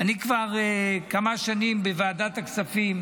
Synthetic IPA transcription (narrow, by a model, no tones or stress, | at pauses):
anikvaʁekamaʃanimbevaːd̪at̪aksafim